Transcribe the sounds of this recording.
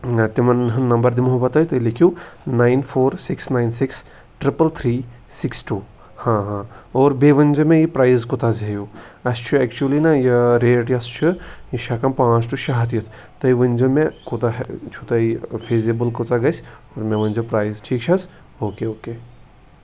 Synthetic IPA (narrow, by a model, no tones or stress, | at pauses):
t̪imɐnɦɨːɐmbɐɾd̪imʊɦɐbɐt̪ɐjt̪ɐilikʰjunaːinfʰoːɾsɪksnainsɪks | ʈɾɪpɐlt̪ʰɾiː | sɪksʈuː | hãɦãːoːɾbeːʋɐnʲd͡ʒɐmẽjipɾaːjzkot̪azɦeju | ɐst͡ʃʰuɛk̚t͡ʃuɐlinɐjiɾeːʈjɐst͡ʃʰujiʃakɐmpãːt͡ʃʈuʃaɦɐt̪jit̪ʰ | t̪ɐjiʋɐnʲd͡ʒɐmẽkot̪aɦt͡ʃʰut̪ɐifʰeːzibəlkot͡saɡɐsʲoːɾmeʋɐnʲzupɾaːizʈʰiːk̚t͡ʃʰɐs | oːkeoːke